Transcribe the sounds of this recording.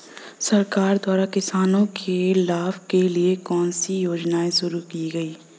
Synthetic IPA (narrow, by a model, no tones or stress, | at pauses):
sɐɾkaːɾd̪waːɾakɪsaːnõkʰelaːbkeliekɔːnsijoːd͡ʒnaːeʃʊɾukiɡɐiː